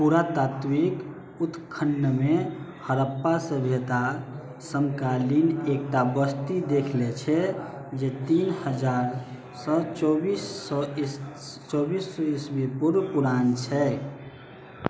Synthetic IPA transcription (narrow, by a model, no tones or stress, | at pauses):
puɾat̪aːt̪wik | ut̪kʰənːəme | həɾəpːasəbʱet̪a | səmkalinek̚ʈabəst̪id̪ekʰlet͡ʃʰɛ | d͡ʒet̪iːnhəd͡ʒaːɾ | sət͡ʃɔbisɔ | t͡ʃɔːbisːɔisbipuɾpuɾaːnt͡ʃʰɛ